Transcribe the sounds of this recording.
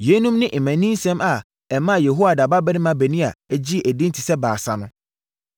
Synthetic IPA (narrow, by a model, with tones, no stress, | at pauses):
je˨˦nũ˦mnɪ̃˦ʔɪ˨mæ̃˨nĩ˦n˦sɛ̃˦ma˨ | ɛ˨mã˦˨jɛ˨ɦo˦a˨da˨ba˦bɛ˦nɪ̃˦mã˨bæ˨nĩ˦a̰˨æ˦d͡ʑi˦ʔæ˨dĩ˦n˦tʰi˨sɛ˦baː˨sa˨nʊ̃˦